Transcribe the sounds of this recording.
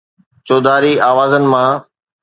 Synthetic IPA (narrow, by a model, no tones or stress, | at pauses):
t͡ɕoːd̪aːɾiaːʋaːzənɪ̆mã